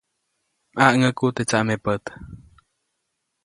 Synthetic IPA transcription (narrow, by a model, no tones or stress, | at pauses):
ʔaʔŋəkut̪et͡ʃaʔmepət̪